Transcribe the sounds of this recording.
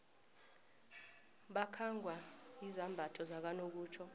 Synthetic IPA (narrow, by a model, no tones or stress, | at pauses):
ɓakʰaŋɡʱwaizambʱatʰʼɔzak̬anok̬uːt͡ʃʰɔ